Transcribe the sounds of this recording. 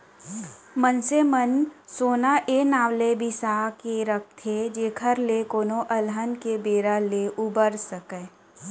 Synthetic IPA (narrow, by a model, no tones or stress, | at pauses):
mənsemənsoːnaʔenaːʋlebʱisaːkeɾək̚ʰt̪ʰed͡ʒeːkʰəɾlekoːnoʔɐlɦənkebeːɾaleʔubəɾsəkeː